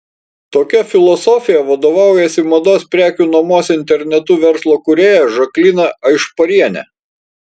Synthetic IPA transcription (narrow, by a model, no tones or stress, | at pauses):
t̪oːkʲɛfʲɪlˠɔsɔfʲɪjɛʋɐd̪oːʋɑˑʊjɛsʲɪmɐd̪oːspʲɾʲæːkʲuːnɐmoːsʲɪnʲt̪ʲɛɾʲnʲɛt̪uʋʲɛɾslˠoːkʊɾʲeːjɛʒɐklʲɪnɐɐɪʃpɐɾʲiɛnʲɛ̰